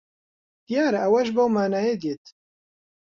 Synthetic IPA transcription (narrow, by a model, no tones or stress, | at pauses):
t̪ijaːɾɐʔɐwɐʒbɐwmaːnaːjeːd̪jeːt̪